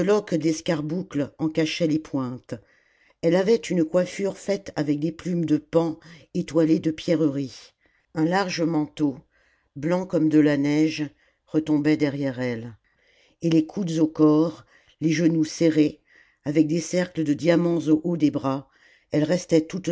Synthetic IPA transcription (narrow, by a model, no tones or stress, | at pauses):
əlɔkd̪ɛskaʁbuklɑ̃kaʃɛlepwɛ̃t̪ | ɛlavɛt̪ynkwafyʁfɛt̪avɛk̚d̪eplymd̪əpɑ̃et̪waled̪əpjɛʁəʁi | ɛ̃laʁʒəmɑ̃t̪o | blɑ̃kɔmd̪əlanɛʒ | ʁət̪ɔ̃bɛd̪ɛʁjɛʁɛl | elekʰud̪zokɔʁ | leʒənuseʁe | avɛk̚d̪esɛʁkləd̪əd̪jamɑ̃zoʔod̪ebʁa | ɛlʁɛst̪ɛt̪ut̪